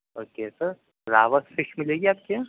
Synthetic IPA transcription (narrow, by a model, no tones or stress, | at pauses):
oːkesɐɾ | ɾaːʋəsfɪʃmɪleːɡiaːp̚ke